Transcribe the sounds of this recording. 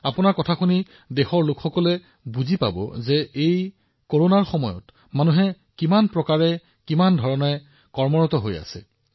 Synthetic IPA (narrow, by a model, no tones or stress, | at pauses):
apunaɹkɔtʰakʰuni | dexɔɹlʊkxɔkɔlɛ | buzipa̰bɔ̰zɛej | koɹonaɹxɔmɔjɔ̰t | manuɦɛ | kimanpɹɔkaɹɛ | kimandʱɔɹɔnɛ | kɔɹmɔɹɔtɔɦoja̰sɛ̰